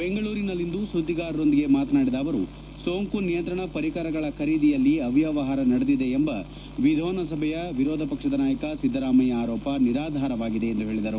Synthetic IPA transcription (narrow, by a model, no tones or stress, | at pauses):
beŋɡɐɭuːɾinɐlːind̪usud̪iɡaːɾɐɾo̞nd̪iɡe̞maːt̪naːɽid̪aːʋɐɾu | soːŋkunijɐnt̪ɾɐɳɐpɐɾikaɾɐɡɐɭɐkʰɐɾiːd̪ijɐlːiɐʋjaʋɐɦaːɾɐnɐɽed̪id̪e̞ːmbɐ | ʋid̪ʱɔːnɐsɐbʱɛjɐʋiɾɔːd̪ʱɐpɐkʂɐd̪ɐnaːjɐkɐsid̪ːɐɾaːmɐjɐaːɾɔːpɐniɾaːd̪ʱaːɾɐʋaːɡid̪e̞ːnd̪uɦe̞ːɭid̪ɐɾu